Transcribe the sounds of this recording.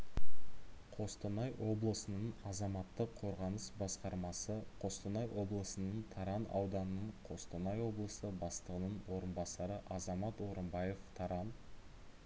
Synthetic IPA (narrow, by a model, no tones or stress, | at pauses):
qʰo̞st̪ənɑjwʔo̞blˠəsənəɴɑzɑmɑt̪ːəqʰːo̞ɾʁɑnəsbɑsqɑɾmɑsəqʰo̞st̪ənɑjwo̞blˠəsənəɴt̪ʰɑɾɑnɑ̰wd̪ɑnənəɴqʰo̞st̪ənɑjwo̞blˠəsəbɑst̪əʁənəɴwo̞ɾənbɑsɑɾəʔɑzɑmɑt̪wo̞ɾəmbɑje̞ft̪ʰɑɾɑn